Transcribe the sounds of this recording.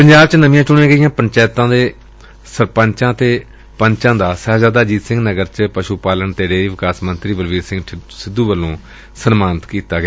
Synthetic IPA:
pəɲd͡ʒaːbt͡ʃnəʋɪ̃jãːt͡ʃʊɳ̃ẽːɡəijãːpəɲt͡ʃaːt̪ãːd̪eː | səɾpəɲt͡ʃãːt̪eː | pəɲt͡ʃãːd̪aːsɛɦzaːd̪aːd͡ʒiːt̪sɪ̃ŋɡnəɡəɾt͡ʃəpəʃupaːlənt̪eːɖeːɾiːʋɪkaːsmənt̪ɾiːbəlʋiːɾsɪ̃ŋɡsɪd̪ːuːʋəlːõː | sənmaːnt̪kiːt̪aːɡejaː

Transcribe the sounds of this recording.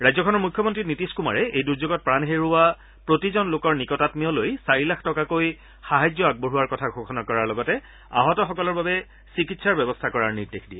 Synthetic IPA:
ɹajzɔkʰɔnɔɹmujkʰjɔmɔntɹitnitiskuma̰ɹɛejduɹzoɡɔt̚pɹanɦeɹuwa | pɹotizɔnlokɔɹnikɔtatmijɔlojsaɹilakʰtɔkakoj | xaɦajd͡ʑɔaɡ̚boɦuwaɹkɔtʰaɡʱokʰɔnakɔɹaɹlɔɡɔtɛ | a̰ɦɔtɔxɔkɔlɔɹbabɛ | sikitsaɹbɛbɔstʰakɔɹaɹniɹdekʰdiɛ

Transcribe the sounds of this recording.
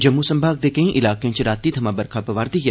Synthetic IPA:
d͡ʒɐmːusɐmbʱaːɡ̚d̪ekɐĩʔɪlaːkjẽt͡ʃɾaːt̪ːid̪ʰʱɐmãbɐɾkʰapɐʋaːɾd̪ia

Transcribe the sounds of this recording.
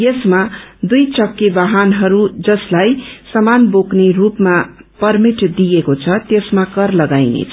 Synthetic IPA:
jesmad̪ujt͡sʌkːebaɦanɦʌɾud͡zʌslajsʌmanboknerupmapʌrmiʈd̪ijekot͡sʰʌt̪esmakʌrlʌɡajnḛt͡sʰʌ

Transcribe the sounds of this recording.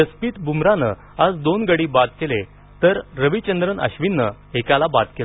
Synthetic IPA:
əspiːt̪bumɾanə̰ | ad͡zd̪onɡəɽiːbat̪̚kele | t̪əɾɾəʋit͡ɕənd̪ɾənə̰ɕʋinːə | ekalabat̪kela

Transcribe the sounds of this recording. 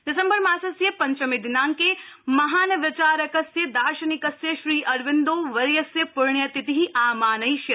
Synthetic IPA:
d̪ɪsɐmbɐɾmaːsɐsjɐpɐ̃ɲt͡ʃɐmid̪ɪnaːŋkemɐɦaːnɐʋɪt͡ʃaːɾɐkɐsjəd̪aːʃɐnɪkɐsjəʃɾiːʔɐɾʋɪnd̪oːʋɐɾjɐsjɐpʊɾɳjɐt̪ɪt̪iɦiʔaːmaːnɐiʃe

